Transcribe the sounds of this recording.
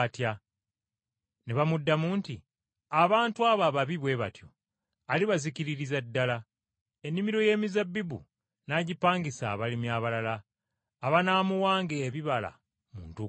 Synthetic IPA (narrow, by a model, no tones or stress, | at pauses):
tja | neβamudːamuːnti | aβaːntuaːβaβaβiβwe̞βa̰tjo̞̰ | aliβaziciɾiɾizadːala | e̞nːimiɾo̞je̞ːmizabːibṵ | naɟipaːŋɡisa̰ːβalimjaːβalalaː | βanaːmuwaːŋɡeːβiβala̰ | mṵntu